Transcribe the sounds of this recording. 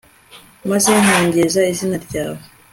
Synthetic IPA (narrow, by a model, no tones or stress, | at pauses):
mazeŋoːŋɡezaizinaɾɟaːβo